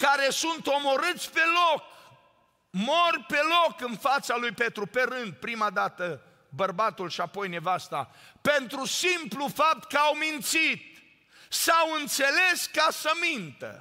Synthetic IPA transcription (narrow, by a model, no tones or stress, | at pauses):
kaɾe̞sunt̪o̞mo̞ɾɨt̪sʲpe̞lok̚ | morʲpe̞lokɨnfat̪salujpe̞t̪ɾupe̞ɾɨnd̪̚pɾimad̪at̪ə | bərbat̪ulʃiapo̞jne̞vast̪a̰pe̞nt̪ɾusimplufap̚t̪kəawmint̪sit̪̚ | sawɨnt̪se̞le̞skasəmint̪ə̰